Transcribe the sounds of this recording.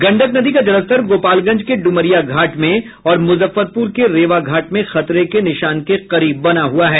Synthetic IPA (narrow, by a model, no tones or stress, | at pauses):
ɡɐ̃ɳɖəknɐd̪ikad͡ʒɐɾəst̪əɾɡoːpaːlɡɐ̃d͡ʒkeɖʊməɾijaɡʱaːʈmẽ | ɔːɾmʊzəfːəɾpuːɾkeɾeːʋaɡʱaːʈmẽxɐt̪ɾekenɪʃaːnkeqɐɾiːbːɐnaɦuaɦɛː